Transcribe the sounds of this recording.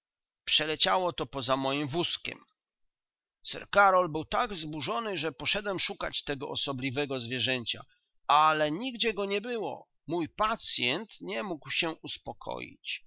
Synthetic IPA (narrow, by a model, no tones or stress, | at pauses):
pʂɛlɛt͡ɕawɔt̪ɔpɔzamɔjimvuskʲɛ̰m | sɛ̰ɾkaɾɔlbɘwt̪aɡvzbuʐɔnɘʐɛpɔʂɛd̪wɛmʂuka̰t͡ɕt̪ɛɡɔ̰ʔɔsɔblʲivɛɡɔzvʲjɛʐɛɲt͡ɕa̰ | alɛɲiɡd͡ʑɛɡɔɲɛbɘwɔ̰ | mujpat̪sʲjɛnt̪ɲɛmuɡwɕɛuspɔkʰɔ̰jḭt͡ɕ